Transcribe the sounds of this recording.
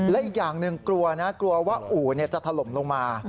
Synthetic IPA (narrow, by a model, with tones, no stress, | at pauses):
lɛ˦˥ʔiː˨˩k̚jaː˨˩ŋnɯ˨˧ŋklu˧ɐna˦˥klu˧ɐwaː˥˩ʔuː˨˩˦ni˥˩ɐt͡ɕa˨˩t̪ʰa˧lo˨˩˦mlo˧ŋmaː˧